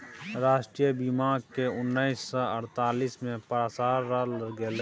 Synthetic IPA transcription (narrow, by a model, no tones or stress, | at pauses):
ɾaːʃʈɾijəbimaːɡkeʊnːaɪsːɔəɾt̪aːlismẽpɾasaːɾːalləɾɡeːle